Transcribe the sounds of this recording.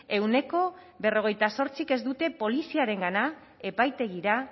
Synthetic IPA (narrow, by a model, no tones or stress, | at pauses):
e̞wne̞ko̞ | βe̞ro̞ɣ̞e̞jt̪aso̞ɾt͡sike̞zd̪ut̪e̞po̞lisiaɾe̞ŋɡana | e̞pajt̪e̞ɣ̞iɾa